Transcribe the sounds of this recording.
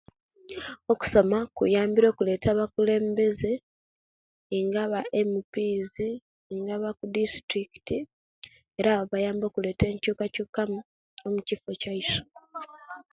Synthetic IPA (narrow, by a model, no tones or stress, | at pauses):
o̞ku̥so̞makṵjaːmbiɾo̞ːkule̞ːtaβakule̞ːmbe̞ze̞ | ŋɡaβaʔe̞mupiːzi | ŋɡaβakudistɾiki̥ti | eɾaːβoβajaːmbo̞ːkule̞ːte̞ːɲcuːkacuːkam | omucifo̞caiso̥